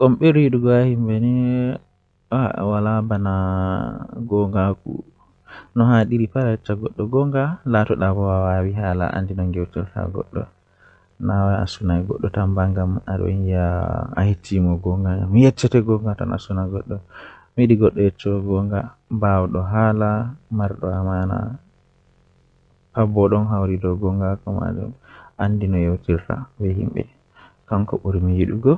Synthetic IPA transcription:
kɔmɓɛɾiɗuɡɔahimbɛnɛ | walabana | ɡɔŋɡakṵ | nɔhaɗiɾipaɾajɛt͡ʃːaɡɔɗːɔɡɔŋɡalatɔɗabɔawawiɦala̰ʔa̰ndinɔŋɡɛwtɛlka̰ɡɔ̰ɗːɔ̰ | nawaa̰sunajɡɔ̰ɗːɔtambaŋɡama̰ɗɔ̰njaa̰hitːimɔɡɔŋɡaamjɛt͡ʃːɛtɛɡɔŋɡata̰na̰sunaɡɔɗːɔmiɗiɡɔɗːɔjɛt͡ʃːɔɡɔŋɡa | bawɗɔɦaːlamaɾɗɔamana̰ | pabɔɗɔnɦawɾidɔɡɔŋɡakɔma̰d͡ʒṵmʔandinɔjewtiɾta̰bɛhḭmbɛ̰ | kaŋkɔɓuɾmijiɗuɡɔ

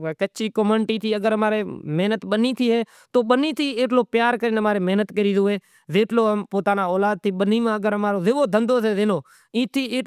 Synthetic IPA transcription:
kəːt͡ʃʰiːkoməɳʈiːt̪ʰiːəɡəɾəmaːɾeːmeːnət̪ɓəniːt̪ʰiːɦeː | t̪oːɓəniːt̪ʰiːeːʈloːpjaːɾkəɾiːnəmaːɾeːmeɦnət̪kəɾiːzoːeː | zeːʈloːmpoːt̪aːnaːoːlaːd̪̚t̪iːɓəniːmãːəɡəɾɦəmaːɾoːzeːʋoːd̪ʱə̃nd̪oːseːdeːnoː | ĩːt̪ʰiːeː

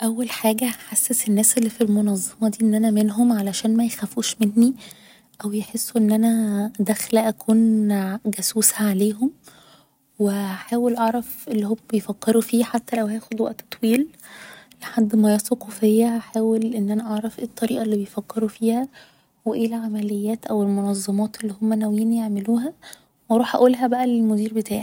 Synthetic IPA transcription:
ʔæwːælħaːɡæħasːesenːæːselːifilmonɑzˤːɑmɑd̪iːʔenːʔænæmenɦomʕalæʃæːnmæjexæfuːʃmenːi | ʔæwjeħesːuʔenːʔænæd̪æxlæʔækʰuːnɡæsuːshæʕaleːɦom | weæħaːwelʔɑʕɾˤɑfʔelːihomːæbejfækːeɾufiːħat̪ːælæwhæjæːxod̪wæʔt̪ːt̪ˤwiːl | leħad̪ːmæjɑːsˤɑqufehjːæhæħaːwelʔenːʔænæʔɑʕɾˤɑfʔet̪ˤːɑɾiːʔɑlːibejfækːeɾufiːhæ | weʔeːlʕamælejːæːt̪ʔæwelmonɑzˤːɑmɑːt̪elːihomːænæwjiːnjeʕmeluːɦæ | wʔɑɾˤuːħʔæ̰ʔuːlɦæbæʔælelmod̪iːɾbet̪aːʕi

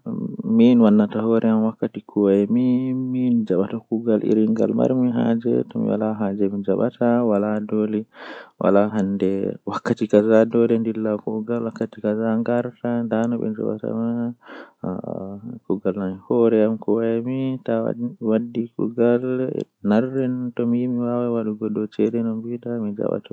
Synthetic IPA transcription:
minwanːatahɔɾʔɛamwakːatikʰuwajmimind͡ʒaɓatakuɡalʔḭɾiŋɡa̰lma̰ɾmiɦad͡ʒɛ̰tɔmḭwa̰laɦad͡ʒɛmid͡ʒaɓatʰawaladoliwʔa̰laɦandɛwakːatikazadɔlɛndilːakuɡalwakːatikazaŋɡaɾtandanɔɓɛ̰d͡ʒa̰ɓa̰ta̰ma | kuɡalnanhɔɾɛamkɔwajamita̰wadːikṵɡal̰ | narːɛntɔmimiwawawaɗuɡɔdɔt͡ʃɛɗɛnɔmbiɗamid͡ʒa̰ɓa̰ta

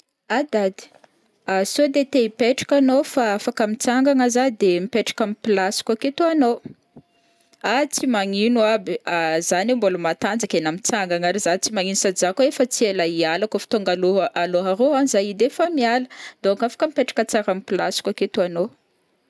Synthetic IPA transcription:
ad̪ad̪i̥ | asod̪et̪eipeʈ͡ʂḁkanofaafakamit͡saŋɡaŋazad̪emipeʈ͡ʂḁkamipilasi̥kʲaket̪uano | at͡simaŋinuabiazanemboləmat̪and͡zakʲenamit͡saŋɡaŋaɾizat͡simaŋinusad͡zakoefət͡sielaialakofi̥t̪oŋɡaloaloɦaɾoanizaid̪efamialəd̪̥oaŋkafḁkəmipeʈ͡ʂḁkət͡saɾamipilasi̥kʲaket̪uano

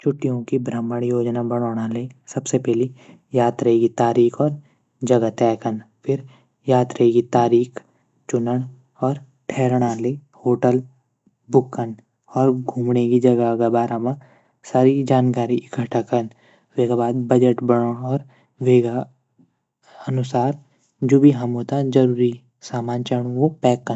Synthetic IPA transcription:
t͡ʃʰʊʈːijõkibɾəmːəɽ̃joːd͡ʒnabəɽ̃oːɽ̃alesɐbsepɛɦli | jaːd̪ɾɐɦeɡit̪aːɾiːkʰɔːɾ | d͡ʒɐɡat̪ɛːkənpʰɪɾ | jaːt̪ɾɐɦeɡit̪aːɾiːkʰ | t͡ʃʊnəɽ̃ | ɔːɾ | ʈʰɛːɾɽ̃alehoːʈəl | bʊkːən | ɔːɾɡʱuːmɽekid͡ʒɐɡaɡabaːɾãmã | saːɾid͡ʒaːnkaːɾiʔɪkəʈʰakən | ʋeːɡabaːd̪̚bəd͡ʒəʈbəɽõɔːɾ | ʋeːɡa | ənʊsaːɾ | d͡ʒoːbʱiɦɐmot̪ad͡ʒɐɾuːɾi | saːmaːnt͡ʃəɽ̃õʋopɛːkːən

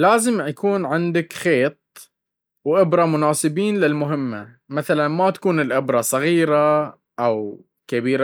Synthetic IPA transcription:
laːzɪmjakuːnʕɪnd̪akxeːt̪̚ˤ | wʔɪbɾˤɑmʊnaːsˤɨbiːnlɪlmʊɦɪmːa | maθalanmat̪ḁkuːnɪlʔɪbɾˤɑsˤɑɣiːɾa | ʔaw | kabiːɾa

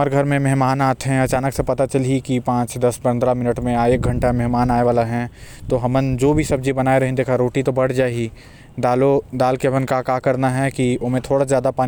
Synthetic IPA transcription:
əɾɡʱɐɾmẽmɛɦmaːnaːt̪ʰɦɛ̃ɐt͡ʃaːnəksepɐt̪at͡ʃɐlikipãːt͡ʃd̪ɐspɐ̃nd̪ɾamɪnəʈmẽaːek̚ɡʱɐ̃ɳʈamɛɦmaːnaːeʋaːlaɦɛ̃t̪oɦɐmənd͡ʒoːbʱisɐb̚d͡ʒibɐnaːeɾɐɦẽd̪eːkʰaɾoːʈit̪obɐɽ̤d͡ʒaːeɡi | d̪aːlod̪aːlkebənkakakɐɾnaɦɛkiomẽt̪ʰoːɽazjaːd̪apaː

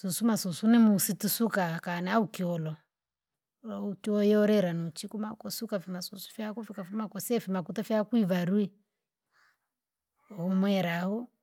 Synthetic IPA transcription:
susumasusunɛmusitisukakanɛaukiɔlɔ | utiɔjɔɾɛɾanuut͡ʃikumakɔsukafimasusu̥fakufikafimakɔsɛfimakutɔfjakuiβaɾui | hɔmwɛɾahɔ

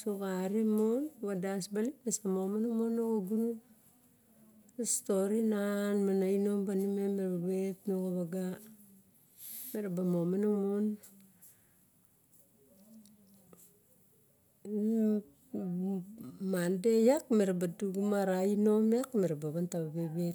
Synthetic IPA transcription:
sukaɾimonβadasbalipmesamomanomonokoɡunu | stoɾinanmanaino̞mbanimemeɾbaɡetnokoβaɡa | meɾabamomanomon | mandehakme̞ɾabaduɡumaɾaino̞mekme̞ɾabaβantaβabebe

